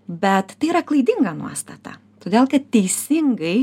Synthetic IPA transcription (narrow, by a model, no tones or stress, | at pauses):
bʲɛt̪ːɐɪiːɾɐklˠɐɪd̪ʲɪŋɡɑnṵɔst̪ɐt̪ɑ̰ | t̪oːd̪ʲeːlˠkɐt̪t̪ʲɛɪsʲɪŋɡɐɪ